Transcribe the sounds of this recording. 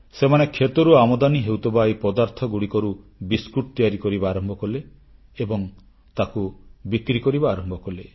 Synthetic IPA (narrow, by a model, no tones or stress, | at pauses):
semanekʰːet̪ɔɾuamɔd̪aniɦewt̪ʰɔbajpɔd̪aɾt̪ʰɔɡuɽikɔɾu | biskuʈ̚t̪ijaɾikɔɾibaːɾɔmbʱɔkɔleː | bɔŋ | t̪akubikɾikɔɾibaːɾɔmbʱɔkɔle